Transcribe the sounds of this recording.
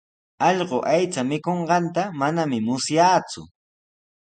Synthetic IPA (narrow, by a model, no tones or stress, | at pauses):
ɑʎɢoʔajt͡samɪkoɴɢɑnt̪amanamɪmʊsjaːt͡sʊ̰